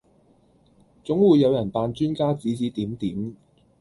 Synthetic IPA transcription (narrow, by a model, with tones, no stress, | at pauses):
t͡sʊ˨˥ŋwuː˨˧jːɐ˨˧wjɐ˨˩npaː˧nt͡ʃyː˥nkaː˥t͡siː˨˥t͡siː˨˥t̪iː˨˥mt̪iː˨˥m